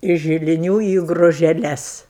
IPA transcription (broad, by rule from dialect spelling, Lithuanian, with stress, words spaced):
ɪʃ ʒʲɪlʲɪˈnʲuː iː ɡrʊʒʲɛˈlʲɛs